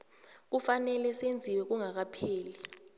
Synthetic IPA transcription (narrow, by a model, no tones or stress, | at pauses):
k̬ufanɛlɛsend͡zʱiwɛk̬uŋak̬apʰeːli